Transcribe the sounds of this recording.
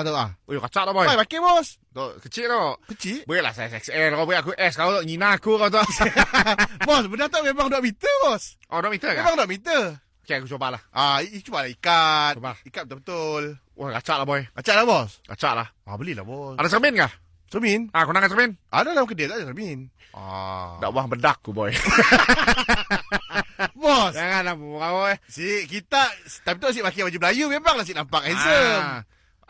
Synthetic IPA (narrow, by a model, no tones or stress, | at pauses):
at̪oʔaojkat͡ʃaʔlabɔjajpakebɔst̪ɔʔkət͡ʃɪʔ̚t̪ɔʔkət͡ʃiʔbəɛʔla̰hsasɛksɛlkɔbəiʔakuʔɛskaut̪ɔʔŋinakukawt̪ɔʔ | bɔsbədat̪aʔmemaŋduaʔmit̪əbɔs | ʔɔdwaʔmit̪əkaemaŋduwaʔmit̪̬ə | okeakut͡ʃobalahʔat͡ʃubalaikat̪̚obaikat̪̚ət̪ubət̪ʊl | ʔojkat͡ʃaʔlabɔjkat͡ʃaʔlahbɔska̰t͡ʃaʔlah | a̰bəlila̰bɔsadas̬əmɛnkah | səəminakunaŋansəəmɛnʔadalamukədet̪aʔdasəmin | a̰da̰ʔbuaŋbədak̚ːubɔj | bɔsjaŋanlabuaɔjsiʔkit̪aʔst̪abət̪ols̬iʔbakibad͡ʒibəlajumemaŋlahs̬iʔnampakɛnsəm